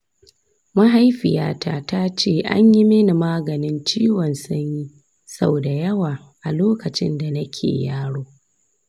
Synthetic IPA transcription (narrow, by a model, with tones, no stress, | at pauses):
ma˦ɦa˦jɸɪ˨ja̰ː˦tʰa˦ta˦t͡ʃeː˦˨ʔa̰˦ɲji˦me˦ni˨maː˦ɡɐ˨nɪ˦nt͡ʃiː˦wɔ˨nsʊ˦ɲji˦ | sa̰˦bda˨jɐ˦waː˨ | ʔa˨loː˦kɐ˨t͡ʃɪ̰˦nda˨nɐ˦kʲʰḛː˨jaː˦ɽoː˦